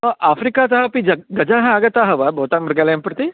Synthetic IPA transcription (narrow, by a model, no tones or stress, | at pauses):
ɐʔaːfɾikaːt̪ɐɦɐpid͡ʒɐɡɐd͡ʒaːɦɐaːɡɐt̪aːɦɐʋɐbʱɐːt̪aːmɐɾɡaːlɐjɐmpɾɐt̪i